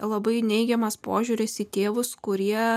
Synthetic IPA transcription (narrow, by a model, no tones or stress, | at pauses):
lˠɐbɐɪnʲɛɪɡʲɛmɐspoːʒʲuɾʲɪsit̪ʲeːʋʊskʊɾʲiɛ